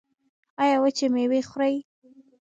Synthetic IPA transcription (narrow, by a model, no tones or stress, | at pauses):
ɑjɑwat͡ʃemewexɾaj